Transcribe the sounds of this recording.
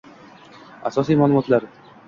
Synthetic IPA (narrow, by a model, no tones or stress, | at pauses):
a̰sɔs̬ijmalumɔt̪laɾ